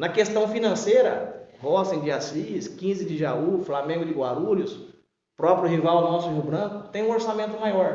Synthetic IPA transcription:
nɐkest̪ɐ̃w̃finɐ̃sejɾɐ̰hɔsẽd͡ʒɪasiskĩzɪd͡ʒɪʒauflamẽɡʊd͡ʒɪɡwaɾuʎʊs | pɾɔpɾjʊɦivawnɔsʊʒuwbɾɐ̃kʊt̪ẽj̃ũoɾsamẽnt̪ʊmajɔɾ

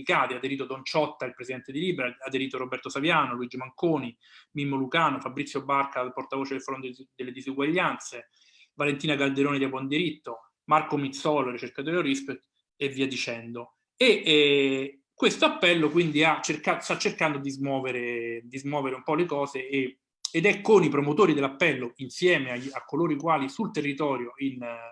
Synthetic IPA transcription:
ikaːt̪iad̪eɾiːt̪od̪ont͡ʃɔt̪ːailpɾesid̪ɛnt̪ed̪iliːbeɾaad̪eɾiːt̪oɾobɛrt̪osavjaːnoluid͡ʒimaŋkoːni | mimːolukaːnofabɾit̪sːjobarkaport̪avoːt͡ʃed̪elfɾond̪d̪elːed̪izuɡwaʎːant̪se | valent̪iːnaɡald̪eɾoːned̪iabwɔnd̪iɾit̪ːo | markomit̪sɔːlorit͡ʃerkat̪oːɾeorispet̪ː | eviːad̪it͡ʃɛnd̪o | e | kːwest̪oapːɛlːokwind̪iat͡ʃːerkast̪at͡ʃːerkand̪od̪izmwɔːveɾed̪izmwɔːveɾeumpɔlekɔːzeː | ed̪ɛkːonipɾomot̪oːɾid̪elːapːɛlːoinsjɛːmeaakːoloːɾikwaːlisult̪erːit̪ɔːɾjoin

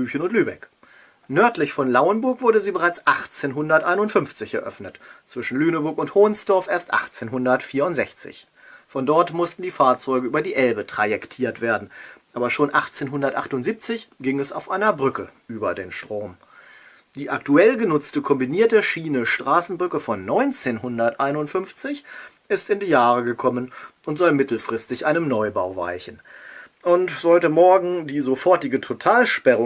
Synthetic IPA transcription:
yːçənʊntlyːbɛ̰k | nœɐtlɪçfɔnlaʊənbʊɐkvʊɐdəziːbəʁaɪt͡sʔaχt͡seːnɦʊndɐtʔaɪnʊntfʏnft͡sɪçɛɐʔœ̰fnətt͡sv̥ɪʃn̩lyːnəbʊɐkʊnthoːnsd̥ɔɐfʔeːɐstʔa̰χt͡seːnɦʊndɐtfiːɐʊntz̥ɛçt͡sɪ̰ç | fɔndɔɐtmʊstn̩diːfaːɐt͡sɔʏɡəʔyːbɐdiːʔɛlbətʁ̥ajɛktʰiːɐtv̥eːɐdn̩ʔaːbɐʃoːnʔaχt͡seːnɦʊndɐtʔaχtʊntz̥iːp̚t͡sɪçɡ̥ɪŋɛsa̰ʊfʔaɪnɐbʁʏkəʔyːbɐdeːnʃtʁ̥oːm | d̥iːʔaktuɛlɡənʊt͡stəkʰɔmbiniːɐtəʃiːnəʃtʁ̥aːsn̩bʁʏkəfɔnːɔʏnt͡seːnɦʊndɐtʔaɪnʊntfʏnft͡sɪç | ʔɪstɪndiːjaːʁəɡəkʰɔmənʔʊntz̥ɔlmɪtl̩fʁ̥ɪstɪçʔaɪnənɔʏbaʊva̰ɪçn̩ | ʔʊntz̥ɔʏtəmɔɐɡŋ̩diːzofɔɐtɪɡətʰotʰaːlʃpɛʁʊ

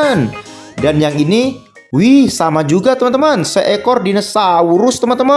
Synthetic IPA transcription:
ndanjaŋini | wihsamad͡ʒuɡat̪əmənt̪əmansəʔekɔrdinəsauɾʊst̪əmənt̪əma

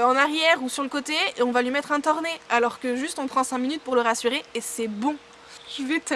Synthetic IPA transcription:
ɑ̃naʁjɛːʁusyʁləkot̪eɔ̃valɥimɛt̪χɛ̃t̪ɔʁnealɔʁkəʒyst̪ɔ̃pχɑ̃sɛ̃minyt̪̚puʁləʁasyʁeːsɛbɔ̃ | ʒəvɛt̪

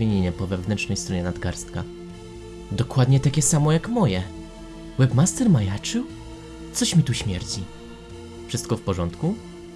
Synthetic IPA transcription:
eɲeɲɛpɔvɛvnɛntʂnɛjst̪ɾɔɲɛnad̪ɡaɾst̪ka | d̪ɔkwad̪ɲɛt̪akʲɛsamɔjakmɔjɛ | wɛbmast̪ɛɾmajat͡ʂɘw | t̪sɔɕmʲit̪uɕmʲjɛɾt͡ɕi | fʂɘst̪kɔfpɔʐɔnt̪ku

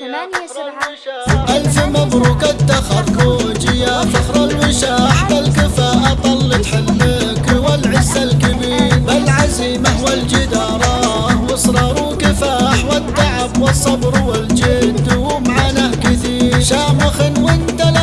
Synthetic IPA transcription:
ʔalfɪmabɾuːkat̪ːaxɑɾˤkoːd͡ʒɪjafɪxɾˤɑlwɪʃaːħbalkɪfaːʔat̪ˤɑlːɨt̪ˤħɪlmɪkwɪlʕɪzːalkabiːɾbalʕaziːmawɪld͡ʒɪd̪ɑːɾˤɑ | wɪsˤɾˤɑːɾˤukɪfaːħwɪt̪ːaʕabwɨsˤːɑbɾwɪld͡ʒɪd̪wmʕanaʔkɪθiːɾʃaːmɪxɪnwɪnt̪al

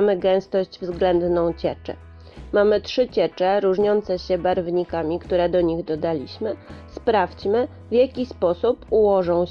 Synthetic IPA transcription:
mɘɡɛ̃w̃st̪ɔʑd͡ʑvzɡlɛnd̪nɔ̃w̃t͡ɕɛt͡ʂɛ̰ | mamɘtʂɘt͡ɕɛt͡ʂɛɾuʐɲɔnt̪sɛɕɛbaɾvɲikamʲikt̪uɾɛd̪ɔɲiɣd̪ɔd̪alʲiɕmɘspɾaft͡ɕmɘ | vʲjakʲispɔsupuwɔʐɔ̃w̃

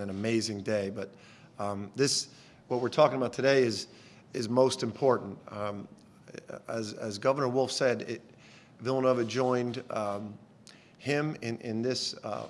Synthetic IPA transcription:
ɨ̃nɨmeɪzɪ̃ŋdeɪbʌt̪̚ | ðɪs | wʌt̚wəɹtʰɔkɪ̃ŋəbaʊtʰɨdeɪɪz | ɨzmoʊstɨ̃m̩pʰɔɹʔn̩t̚ | ɨzɨzɡʌvə˞nə˞wʊlˠfsɛdɪt̚ | vɪlˠə̃noʊvɨd͡ʒɔ̃ɪ̃nd | ɪ̃mɪ̃nʔɪ̃nðɪs

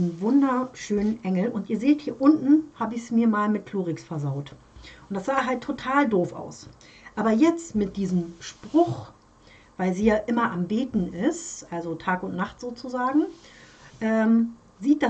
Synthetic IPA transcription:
nvʊndɐʃøːnənʔɛŋl̩ʔʊntʔiːɐzeːthiːɐʔʊntn̩haːbəɪçsmiːɐmaːlmɪt̚kl̥oːʁɪksfɛɐzaʊt | ʊntd̥asz̥aːɦaltʰːotʰaːldoːfa̰ʊs | ʔaːbɐjɛt͡stmɪt̚d̥iːzəmʃpʁ̥ʊχ | vaɪlziːjaːʔɪmɐʔambeːtn̩ɪstʔalzotʰaːkʊntnaχtz̥oːt͡suzaːɡŋ̩ | ʔɛːm | ziːt̚d̥a

